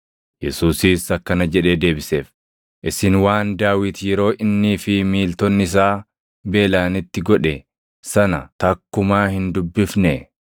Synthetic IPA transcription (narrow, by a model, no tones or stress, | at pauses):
jɛsuːsiːsɐkːɐnɐd͡ʒɛᶑe̞ːd̪e̞ːbɪseːf | ʔɪsɪnwaːnd̪aːwɪt̪jɛɾo̞ːʔɪnːiːfɪmiːlt̪ɔnːɪɪs̬aː | be̞ːlaːnɪt̪ːɪɡɔᶑɛ | sɐnɐt̪ɐkːʊmaːhɪnd̪ʊbːɪfnɛ